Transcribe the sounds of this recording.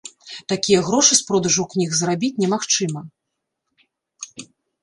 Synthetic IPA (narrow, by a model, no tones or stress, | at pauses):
t̪akʲijɐɣɾɔʂɨspɾɔd̪ɐʐɐwknʲiɣzrabʲit͡sʲnʲɛmaxt͡ʂɨmɐ